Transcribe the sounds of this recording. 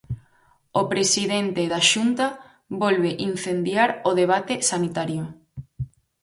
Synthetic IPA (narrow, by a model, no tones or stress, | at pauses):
opɾesiðent̪eðaʃunt̪a | βɔlβeʔin̟θend̪jaɾoðeβ̞at̪esanit̪aɾjo